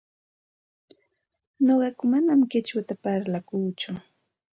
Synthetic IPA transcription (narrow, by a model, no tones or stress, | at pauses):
noɢɑkʊmanamkɪt͡ʃwat̪apaɾlakuːt͡ʃʊ